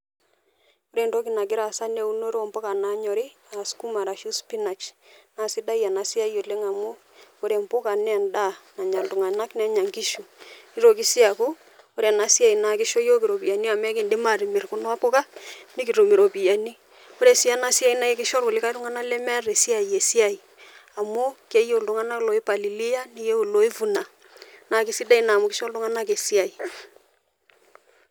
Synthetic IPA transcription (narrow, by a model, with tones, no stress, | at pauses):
o˦ɾe˦˨ndo˦kɪ˨na˨k̬ɪ˦ɾa˨sa˦ne˨u˦no˦ɾɔ˦mpɔ˦ka˨na˨˦ɲɔ˨ɾi˦ | a˨sku˦ma˨ɾa˨ʃu˦spi˦na˨t͡ʃna˨si˦da˦ja˨na˨si˦a˦jo˨le˦ŋa˨mu˦ | o˦ɾe˨mpʊ˦ka˨nɛ˦a˨nda˦˨na˨ɲa˨ltu˨ŋa˨na˦knɛ˦ɲa˨ŋki˦ʃu˨i˦ɾo˨k̬ɪ˦si˦a˨ku˦ | o˦ɾe˨na˨si˦a˦˨i˨na˨kɪ˦ʃo˦jo˦ki˨ɾo˨pi˨ja˨ni˦a˨mɛ˦kɪ˨ndi˦ma˨ɾi˨mɪ˨ɾku˦nɔ˦a˦pʊ˦ka˦ni˦ki˨ɾo˨mi˨ɾo˨pi˨ja˨ni˦ | o˦ɾe˨si˦a˦na˦si˦a˦i˦na˦jɛ˦kɪ˦ʃɔ˦ɾwʊ˨lɪ˦ka˦i˦ɾu˦ŋa˦na˦lɛ˦mɛ˦re˨si˦a˨i˨je˨si˦a˨i˨ | a˨mu˦ke˦je˦˨ldu˦ŋa˦na˦klo˨ɪ˦pa˨li˨li˦ja˦ni˦je˦u˨lo˨˦i˦vu˨na˨ | na˨kɪ˦si˦da˦i˨na˨mʊ˨kɪ˦ʃɔ˦ldu˦ŋa˦na˦ke˨si˦a˨i˨